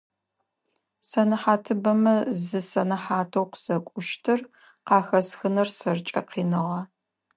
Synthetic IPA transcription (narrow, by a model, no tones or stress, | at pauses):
sɐnɨħaːtʰɨbɐmɐzɨsɐnɐħaːtʰɐwqz̥ɐkʷʼʊʃtʰɨr | qɑːxɐsxɨnɐrsɐrt͡ʃʼɐ̰qiːnɨʁɑ